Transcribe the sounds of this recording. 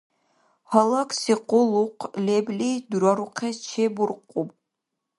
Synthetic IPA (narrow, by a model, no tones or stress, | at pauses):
hɑlˠɑksiqolˠuqleblid̪uɾaɾuqʰɛt͡ʃʰebuɾqʼub